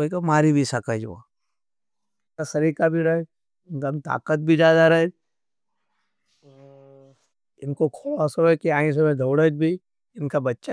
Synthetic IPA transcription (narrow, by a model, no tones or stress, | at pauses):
əikamaːɾibʱisakəd͡ʒṵa̰ | ɪkasɐɾiːkabʱiɾɐɦe | nd̪ɐmt̪a̰ːkət̪̚bʱid͡ʒjaːd̪aɾɐɦe | ɪnkokʰoːlasɐekiaːĩs̬emẽd̪ʱoːɽəd͡ʒbʱi | ɪnkabɐtːʃa